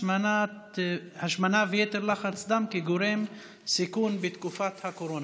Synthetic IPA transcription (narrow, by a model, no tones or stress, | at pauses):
ana | haʃmanavejet̪eɾlaχaɾt͡sd̪amkiɡoɾem | sikunbet̪kufat̪hakoɾona